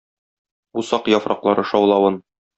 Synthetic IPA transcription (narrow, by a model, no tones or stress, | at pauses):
usɑqjɒfɾɑ̰qlˠɑɾɤʃɒwlˠɑwɤn